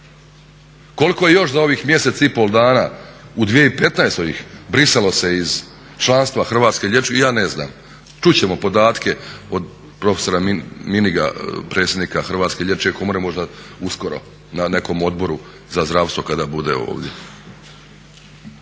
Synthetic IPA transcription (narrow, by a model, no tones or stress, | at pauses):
ko̞likoje̞jo̞ʃzao̞ʋiːxmje̞se̞t̪saipo̞lˠd̪aːnaud̪ʋijeipe̞t̪naest̪o̞ʋḭxbɾisalo̞se̞iz | t͡ʃlˠanst̪ʋaxr̩ʋaːt̪skeʎʲe̞t͡ʃjaːnezna̰ːm | t͡ʃut͡ɕe̞mo̞po̞d̪aːt̪kʰe̞o̞d̪ | pɾo̞feso̞ɾamminiɡa̰pɾe̞ːt̪sjed̪niːkaxr̩ʋaːt̪ske̞ʎʲjet͡ʃekomoɾemo̞ʒd̪ausko̞ɾo̞̰ | nane̞ko̞mo̞d̪̚bo̞ɾu | zazd̪ɾaːʋst̪vʋo̞kad̪aːbud̪ḛo̞̰ːʋd̪je̞̰